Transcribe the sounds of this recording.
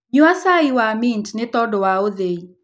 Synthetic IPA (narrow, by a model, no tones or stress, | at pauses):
ɲuasaɪwamɪntnɪt̪ɔdɔwaodei